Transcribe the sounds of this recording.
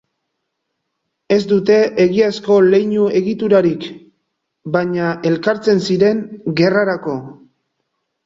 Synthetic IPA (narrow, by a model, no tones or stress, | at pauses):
e̞zd̪ut̪e̞eɣiasko̞le̞jɲue̞ɣit̪uɾaɾik | baɲae̞lkaɾt͡se̞nsiɾe̞ŋɡe̞raɾako̞